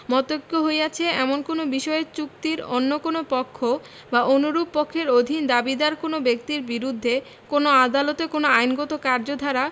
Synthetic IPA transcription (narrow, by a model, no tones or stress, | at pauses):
mɔt̪okːoɦoeat͡ɕʰeɛmonkonobiʃɔet͡ɕuk̚t̪iɾo̰nːokonopɔkʰːo | baʔonuɾubpɔkʰːeɾod̪ʱind̪abid̪aɾkonobek̚t̪iɾbiɾud̪ʱːe | konoad̪alot̪ekonoajnɡɔt̪okaɾd͡ʑod̪ʱaɾa